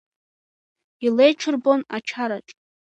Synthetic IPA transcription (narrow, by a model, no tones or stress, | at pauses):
ilejʈ͡ʂʰʊrbo̞nat͡ʃʰaɾaʈ͡ʂʼ